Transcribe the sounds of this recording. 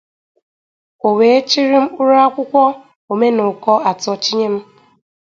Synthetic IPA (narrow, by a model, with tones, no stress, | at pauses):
o˨we˨˦e˦t͡ʃi˦ɾi˦m̩˦u˦ɾu˦a˦kʷʊ˦kʷɔ˦ | o˨me˦nʊ˨kɔ˦a˨tɔ˦t͡ʃi˦ɲe˦m̩˦